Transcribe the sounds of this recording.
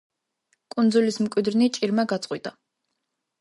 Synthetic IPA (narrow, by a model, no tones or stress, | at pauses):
kʼunzulismkʼwid̪ɾnit͡ʃʼiɾmaɡat̪sʼqʼwit̪ʼa